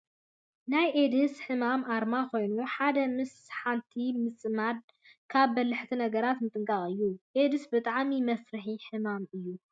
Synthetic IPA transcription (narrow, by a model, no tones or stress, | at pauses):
najʔed̪ɨsħɨmamaɾmakʰo̞jnuħad̪ɐmɨs | ħant̪ʰimɨt͡sʼmad̪ | kʰaβːɐlːɨħt̪ʰinɐɡɐɾat̪mɨt̪ʼɨŋkʼaχʼɨjːuʔed̪ɨsbɨt̪ʼaʕmimɐfɾɨħiħɨmamɨjːu